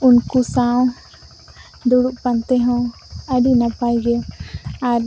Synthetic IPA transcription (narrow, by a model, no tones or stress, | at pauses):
unkusaw | d̪uɽuʔpant̪ɛɦɔ̃ | əɖinapajɡeaɾ